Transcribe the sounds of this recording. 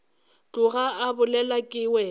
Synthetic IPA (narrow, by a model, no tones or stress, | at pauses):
t͡ɬʼʊɣaabʊlɛlakʼɪwɛ